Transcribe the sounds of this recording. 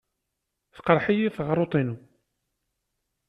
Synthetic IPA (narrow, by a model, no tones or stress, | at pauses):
θə̥qəɾˤħijiθʁɾˤot̪ˤinu